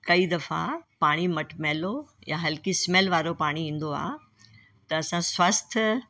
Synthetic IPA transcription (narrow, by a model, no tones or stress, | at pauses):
kɐid̪ɐfa̰paːɽ̃imɐʈmeːlojaɦɐlkismeːlʋaːɾopaːɽ̃iĩːn̆d̪oa̰ː | t̪ɐɐsãswɐst̪ʰ